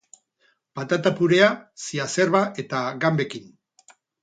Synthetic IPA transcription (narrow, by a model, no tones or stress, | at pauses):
pat̪at̪apuɾe̞asiase̞ɾβaʔe̞t̪aɡambe̞kin